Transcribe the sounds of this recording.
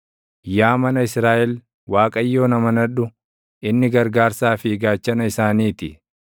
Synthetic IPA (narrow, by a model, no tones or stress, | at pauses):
jaːmɐnɐɪsɾaːʔɛl | waːkʼɐjːo̞ːnɐmɐnɐᶑʊ | ʔɪnːɪɡɐɾɡaːɾsaːfɪɡaːt͡ʃːɐnɐɪsaːniːt̪ɪ